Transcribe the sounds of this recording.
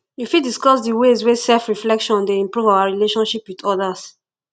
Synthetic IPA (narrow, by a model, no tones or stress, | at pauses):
jufidiskɔsdiwezwesɛlfɹiflɛkʃɔ̃ndeĩmpɹuvawaɹileʃɔ̃nʃipwitɔdas